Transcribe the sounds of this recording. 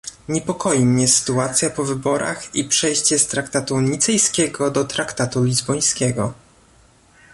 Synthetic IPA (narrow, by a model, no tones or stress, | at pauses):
ɲɛpɔkɔjimɲɛsɘ̥t̪uat̪sʲjapɔvɘbɔɾa̰xipʂɛjɕt͡ɕɛst̪ɾakt̪at̪uɲit̪sɛjskʲɛɡɔd̪ɔt̪ɾakt̪at̪ulʲizbɔj̃skʲɛɡɔ